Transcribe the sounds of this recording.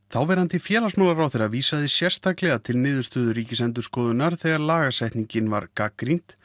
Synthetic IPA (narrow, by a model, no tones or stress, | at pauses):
θawvɛɾhant̪ɪfjɛːlasmaːwlaɾawθɛrːaviːsaðɪsjɛ̥st̪aklɛɣat̪ʰɪlnɪːðʏ̥st̪œːðʏɾiːcɪsɛnt̪̬ʏ̥skɔːðʏnːaɾ̥θɛːɣaɾlaːɣasɛht̪niɲcɪnva̰ɾkakɾin̥t̪